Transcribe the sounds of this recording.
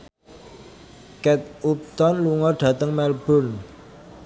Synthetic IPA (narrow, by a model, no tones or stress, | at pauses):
kɛt̪̚up̚t̪ɔnluŋɔɖ̥ä̤t̪əŋmɛlb̥ʊ̤n